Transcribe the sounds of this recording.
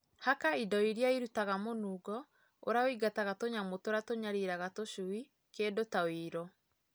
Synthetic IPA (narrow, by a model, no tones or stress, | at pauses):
hakaidɔiɾjaiɾutaɣamonuːɡɔ | o̰ɾaoiɡataɣatoɲamotoɾatoɲaɾiɾaɣatoʃui | kedotawiɾɔ